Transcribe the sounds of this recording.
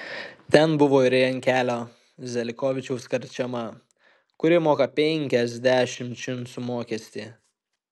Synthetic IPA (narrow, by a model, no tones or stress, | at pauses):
t̪ʲɛnbʊʋoːɪɾʲɛjɐŋʲkʲæːlʲoː | zʲɛlʲɪkoːʋʲɪt͡ʃʲɛʊskɐɾʲt͡ʃʲɛmɐ | kʊɾʲɪmoːkɐpʲɛŋʲkʲɛzʲd̪ʲæːʃʲɪmʲt͡ʃʲɪnsʊmoːkʲɛsʲt̪ʲiː